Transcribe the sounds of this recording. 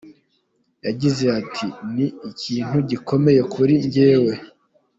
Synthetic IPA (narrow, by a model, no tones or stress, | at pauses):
jaɟize̞atʰiniːciːn̥huɟiko̞me̞je̞kuɾiɲɟe̞ːwe̞